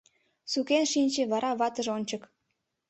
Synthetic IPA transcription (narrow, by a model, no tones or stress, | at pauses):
sukenʃinʲt͡ɕĕβɑɾɑβɑt̪ə̆ʒonʲt͡ɕə̆k